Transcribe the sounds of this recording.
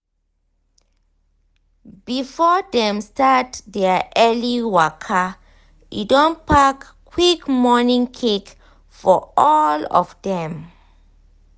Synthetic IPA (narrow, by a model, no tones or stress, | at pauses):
b̥ifɔdɛ̃mstatdɛʔɛliwakʰa | ḭdõnpakː | wikmɔnĩŋkʰek | fɔɔlɔ̰vdɛ̃m